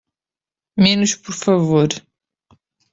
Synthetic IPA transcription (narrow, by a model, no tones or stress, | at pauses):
menuʃpɔɾfɐvoɾ